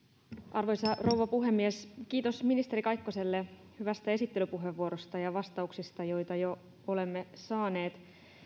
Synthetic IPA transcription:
ʔɑrʋo̞jsɑro̞wʋɑpuɦe̞mːieskiːt̪o̞sminist̪e̞ɾikɑjkːose̞lːe | hyʋæst̪æe̞sit̪ːe̞lypuɦe̞ʋːuo̞ɾost̪ɑjɑʋɑst̪ɑuksist̪ɑjo̞jt̪ɑjo | o̞le̞mːesɑːne̞ːt̪

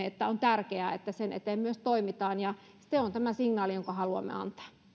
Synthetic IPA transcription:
eet̪ːæont̪ærkeæːḛt̪ːæsenʔḛt̪eːmmyøst̪oimit̪ɑːnjɑ | st̪ːeont̪æmæsiŋnɑːlijoŋkɑhɑluɑ̰mːḛɑ̰nt̪ɑ̥ː

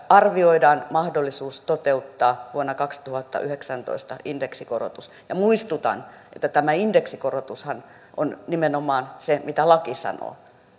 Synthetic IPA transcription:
ɑrʋioidɑːnmɑhdolːisuːst̪ot̪eut̪ːɑːʋuonːɑkɑkst̪uhɑt̪ːɑ̰ʔyheksænt̪o̰ist̪ɑ̰indeksikoro̰t̪us | jɑmuist̪ut̪ɑ̰nḛt̪ːæt̪æmæindeksikorot̪ushɑn | ʔo̰nnimenomɑːnsemit̪ælɑkisɑ̰no̰ː

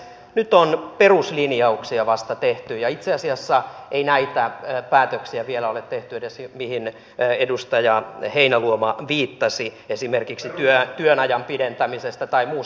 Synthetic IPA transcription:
nyt̪onperuslinijɑuksiɑʋɑst̪ɑt̪eht̪yjɑit̪seɑsiɑsːɑʔeinæit̪æpæːt̪øksiæʋielæolet̪t̪eht̪yedesmihin | edust̪ɑjɑheinæluomɑʋiːt̪ːɑsiesimerkiksit̪yøt̪yønɑjɑmpident̪æmisest̪æt̪ɑimuː

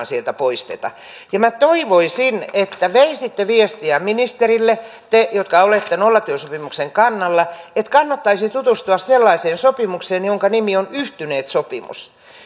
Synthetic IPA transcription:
nsielt̪æpoist̪ḛt̪ɑ̰ | jɑmæt̪oiʋoisinet̪ːæʋeisit̪ːeʋiest̪iæminist̪erilːe | t̪ejot̪kɑolet̪ːenolːɑt̪yøsopimukseŋkɑnːɑlːɑet̪kɑnːɑt̪ːɑisit̪ut̪ust̪uɑsselːɑiseːnsopimukseːnjoŋkɑnimionyht̪yneːt̪sopimṵs

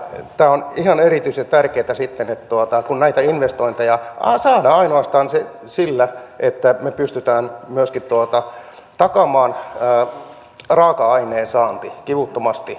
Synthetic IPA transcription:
t̪æːonihɑnerit̪yiset̪ærkeːt̪æsit̪ːenet̪t̪uot̪ɑkunnæit̪æinʋest̪oint̪ɑjɑɑsɑːnɑɑinoɑst̪ɑːnse | silːæʔet̪ːæmepyst̪yt̪æːnmyøskit̪t̪uot̪ɑ | t̪ɑkɑmɑːnəː | rɑːkɑɑineːnsɑːnt̪ikiʋut̪ːomɑst̪i

